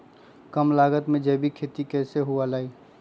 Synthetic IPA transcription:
kəmlaːɡət̪mẽd͡ʒɛːbʱikʰeːt̪ikɛːseɦualaːi

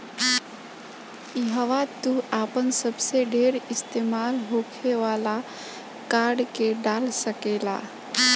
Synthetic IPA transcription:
iɦəʋat̪uaːpənsəbseɖʱeːɾɪst̪eːmaːlɦokʰeʋaːla | kaːɾɖkeɖaːlsəkeːla̰

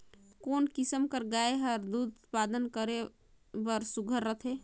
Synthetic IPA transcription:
konkisəmkəɾɡaeɦəɾd̪ud̪t̪pad̪ənkəɾe | bəɾsuɡʱəɾːət̪ʰe

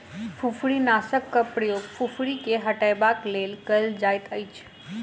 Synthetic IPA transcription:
fʰufɽinaːsəkːɐpɽijofʰufɽikeɦɐʈaːjbaːkleːlkɐld͡ʑaːɪt̪ʰəit͡ʃʰ

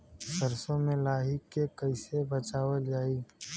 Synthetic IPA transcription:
sɐɾsõmẽlaːɦɪkːekɐɪsebɐt͡ʃaːwəld͡ʒaːiː

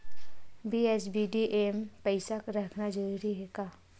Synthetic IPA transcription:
bieːsbiɖiʔeːmpəɪsakɾəkʰnad͡ʒəɾuɾiɦɛkaː

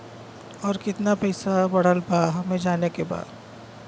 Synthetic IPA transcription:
ɔːɾkɪt̪napɛɪsabɐɽ̤əlbaɦɐmẽd͡ʒaːnekeba̰ːd̪

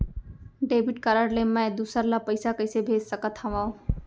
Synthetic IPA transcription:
ɖeːbʱiʈ̚kəɾəɽlemːãed̪usəɾlapəjsakəjsebʱed͡ʒsəkət̪ʰhɐʋãw

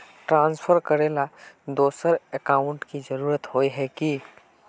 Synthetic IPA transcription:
ʈɾãːnspʰəɾkəɾelad̪oːsəɾekaːʊɳʈkid͡ʒəɾuːɾət̪ɦojɦɛki

